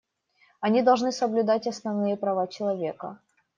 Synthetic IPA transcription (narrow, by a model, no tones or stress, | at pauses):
ɐnʲid̪ɐlˠʐnɨsəblʲʊd̪atʲɐsnɐvnɨjəpɾɐvat͡ɕɪlˠɐvʲe̞kə̰